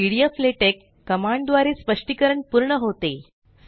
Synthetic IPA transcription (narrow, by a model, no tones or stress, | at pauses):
iɽijəfleʈekː | əmaɳɖd̪ʋaɾespəʂʈikəɾəɳpuɾɳəɦot̪e